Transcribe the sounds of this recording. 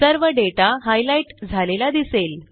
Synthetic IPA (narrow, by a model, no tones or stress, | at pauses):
əɾʋəɖeʈaɦajlaiʈd͡zʱalelad̪isel